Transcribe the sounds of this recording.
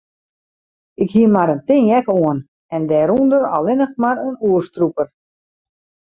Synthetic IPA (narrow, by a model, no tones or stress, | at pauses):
ɪkhiəmaɾəntɪnjɛkoən | ɛndɛːɾundəɾɔ̰lɪnəxmaɾənuərstrupər